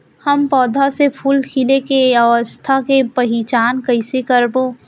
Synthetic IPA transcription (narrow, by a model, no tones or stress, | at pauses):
həmpɔːd̪ʱasepʰuːlkʰilekeəʋəst̪ʰakepɐɦɪt͡ʃaːnkəɪsekəɾboː